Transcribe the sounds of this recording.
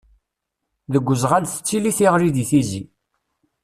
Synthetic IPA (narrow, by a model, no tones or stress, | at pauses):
ðəɡʷːəzʁænθə̥t͡sːiliθiʁɾiðiθizi